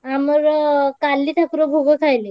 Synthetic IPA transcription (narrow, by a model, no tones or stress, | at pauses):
amuɾkalːiːt̪ʰakɾobʱoɡəkʰajle